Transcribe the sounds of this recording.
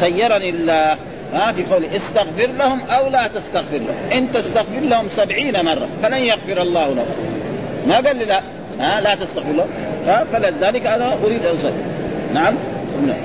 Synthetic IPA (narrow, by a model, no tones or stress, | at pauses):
t̪ajːɑɾˤɑnɪlːaːh | mafiqoːliʔɪst̪aɣfɪɾlahʊmʔawlaːt̪ast̪aɣfɪɾlahʊmʔɪnt̪ast̪aɣfɪɾlahʊmsabʕiːnamɑrˤːɑ̰falanjaɣfɪɾɑlˤːɑːhla̰hṵmaɡaːlːilaʔ | halat̪ast̪aɣfɪɾlamhafalaðaːlɪkʔanaʔʊɾiːd̪ʔansˤɑlnaʕamsˤɑmna̰